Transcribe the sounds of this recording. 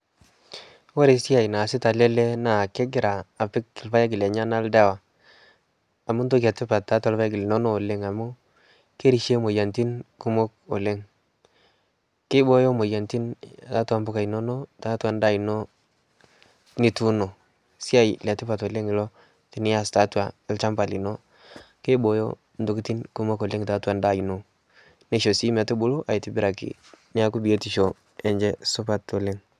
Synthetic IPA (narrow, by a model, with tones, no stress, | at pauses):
wo˦ɾe˨si˦a˨jna˨sɪ˦ta˨le˦le˦na˨ke˦ɡɪ˦ɾaː˨pɪ˦kːɪ˨lfa˦ja˦ɡɪ˨le˨ɲa˦na˦lda˦wa˨ | mʊ˦nto˦ka˨tɪ˦pa˨tːa˦ta˨lfa˦ja˦ɡɪ˨le˨no˦noː˦˨le˦ŋa˨mu˦ | ke˦ɾi˨ʃe˦mo˨ja˨nti˦nku˦mo˦k̚o̰˨le˦ŋ | kɪ˦bo˦jo˦mo˨ja˨nti˦n˨a˦twa˦mbʊ˦ka˨i˨no˦no˦ta˦tu˦a˨n˦da˦i˨no˦ | ni˦tu˦no˨ | si˦a˦ji˨lɛ˨tɪ˦pa˨tɔ˨le˦ŋɪ˨lɔ˦ | ti˨˦ni˦ja˦sta˦twa˨ɪ˦lt͡ʃa˦mpa˨li˨no˦ | kɪ˦bo˨jo̰˦ | n˦du˦ki˦ti˦nku˦mo˦kɔ˨le˦ŋta˦tu˦a˨nda˦˨i˨no˨ | ne˦ʃo˨si˦mɛ˨tu˦bu˦lo˦ʔa˨ji˨ti˨bi˦ɾa˨kḭ˨ | ni˦a˦ku˦bi˨e˦ti˨ʃo˨ | ɛ˨ɲd͡ʒɛ˦su˦pa˦to˨le˦ŋ